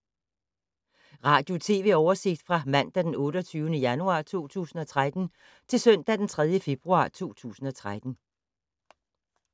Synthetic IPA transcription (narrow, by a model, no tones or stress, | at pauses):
ʁɑ̈ːd̥jo̝t͡sʰe̝̰ːʋe̝̰ɒʊɐse̝ɡ̥̚d̥fʁɑ̈mæn̰d̥æd̥enɔ̽ːɾɒt͡sʰyːʊənəjænuɑ̰̈ːt͡sʰo̝̰ːt͡sʰṵːsn̩ɒ̽t͡sʰʁad̥n̩ | t͡sʰe̝lsœn̰d̥æd̥ent͡sʰʁɛð̞ˠjəfe̝b̥ʁuɑ̰̈ːt͡sʰo̝̰ːt͡sʰṵːsn̩ɒ̽t͡sʰʁad̥n̩